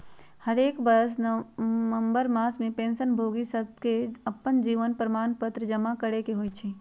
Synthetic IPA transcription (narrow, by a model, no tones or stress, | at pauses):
həɾeːkbəs | nəmbəɾmaːsmẽpẽːnsənbʱoɡisəb̚keəpːənd͡ʒiːʋənpɾəmaːnpət̪ɾəd͡ʒəmakəɾekeɦoːjt͡ʃʰi